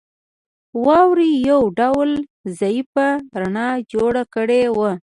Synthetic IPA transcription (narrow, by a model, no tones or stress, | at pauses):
wɑwɾijawɖawlzɑjipaɾanɑd͡ʒoɽakəɽewə